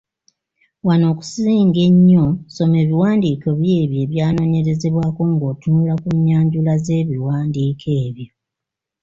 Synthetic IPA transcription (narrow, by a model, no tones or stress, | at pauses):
wano̞ːku̥siːŋɡe̞ɲːoso̞me̞ːβiwaːndiːko̞βje̞ːβjo̞ːβjaːno̞ːɲe̞ɾe̞ze̞βwaːko̞ŋɡo̞ːtunulakuɲːaːɲɟulaze̞ːβiwaːndiːkʰe̞ːβjo